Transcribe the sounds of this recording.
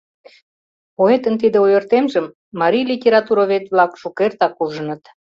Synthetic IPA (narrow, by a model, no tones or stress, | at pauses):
poet̪ənt̪̬id̪ĕojərt̪emʒəmː | ɑɾʲijlʲitʲeɾɑt̪uɾoβet̪βlɑkʃukert̪ɑkuʒənə̆t̪